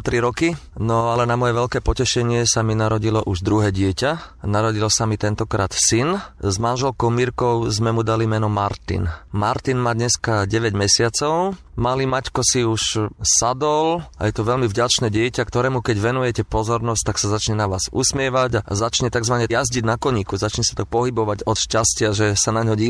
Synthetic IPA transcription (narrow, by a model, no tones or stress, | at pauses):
t̪ɾiɾɔkinɔalɛnamɔjɛʋɛʎkɛːpɔcɛʃɛɲɪɛsaminaɾɔɟilɔʔuʒd̪ɾuɦɛːɟɪɛcanaɾɔɟilɔsamit̪ɛnt̪ɔkɾaːt̪sinzmanʒɛlkɔʊmiɾkɔʊzmɛmud̪alimɛnɔmaɾt̪ḭnmaɾt̪inmaːd̪ɲɛskaɟɛʋɛɟmɛsɪat͡sɔʊ | malimackɔsiuʃsad̪ɔla̰jɛt̪ɔʋɛʎmivɟat͡ʃnɛːɟɪɛcakt̪ɔɾɛːmukɛɟʋɛnujɛcɛpɔzɔɾnɔsc̚t̪aksazat͡ʃɲɛnaʋaːz̥ṵsmɪɛʋaɟa̰zat͡ʃɲɛt̪aɡzʋaɲɛjazɟiɟnakɔɲiːkuzat͡ʃɲɛsḁt̪ɔk̚pɔɦibɔʋaɟɔt̪ʃcascɪaʒɛsanaɲɦɔɟi